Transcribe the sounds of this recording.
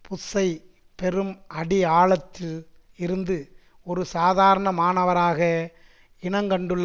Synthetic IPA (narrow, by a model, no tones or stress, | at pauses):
pʊsɐɪ | pɛɾɯmʔɐɽiaːɭɐt̪ːɪl | ɪɾɯnd̪ɯ | ɔɾɯsaːðaːɾɐɳɐmaːɳɐʋɐɾaːɣɐ | ɪɳɐŋɡɐɳɖɯɭː